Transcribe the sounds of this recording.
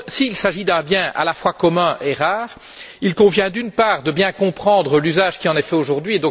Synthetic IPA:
siːlsaʒid̪ɛ̃bjɛ̃a̰lafwakɔmɛ̃ʔeʁaːʁ | ilkɔ̃vjɛ̃d̪ynpaːʁd̪əbjɛ̃kɔ̃pχɑ̃d̪ʁəlyzaʒkʲiɑ̃nɛfɛoʒuʁd̪ɥied̪ɔ̃

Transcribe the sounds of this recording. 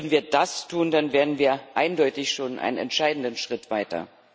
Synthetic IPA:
dn̩viːɐdastʰuːndanveːɐdn̩viːɐʔa̰ɪndɔʏtɪçʃoːnʔa̰ɪnənɛ̰ntʃaɪdn̩dənʃʁ̥ɪtv̥aɪtɐ̰

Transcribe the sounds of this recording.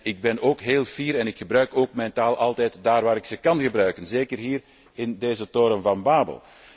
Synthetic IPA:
ɪɡ̚bɛnoːkɦeːlˠviːɾɛnɪkxəbɾœɥkoːkmɛjntaːlˠʔɑlˠtɛːjtdaːrʋaːɾɪksəkɑnɣəbɾœɥkənzeːkərɦiːr | ɪndeːzətoːɾəmvɑnbaːbə̰lˠ

